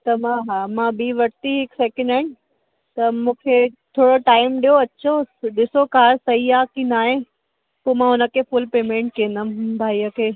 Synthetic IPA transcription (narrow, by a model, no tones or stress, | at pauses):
t̪ɐmãɦaːmãːbiːʋɐɾt̪iɦɪksɛːkə̃ɳɖaːɪn | t̪ɐmũːkʰet̪ʰoːɽoʈaːɪmɗijoɐt͡ɕʰoɗɪsokaːɾsɐɦiaːkĩnaːɦẽ | poːmãɦʊnəkʰefʊlpeːmẽːɳʈ̚kiẽnd̪əmbʱaːiɐkʰeː